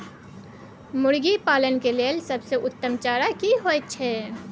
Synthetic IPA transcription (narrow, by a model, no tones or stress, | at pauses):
mʊɽɡipaːlənkeleəlsɐbseʔʊt̪ːəmt͡ʃaːɾakiɦot͡ʃʰɛː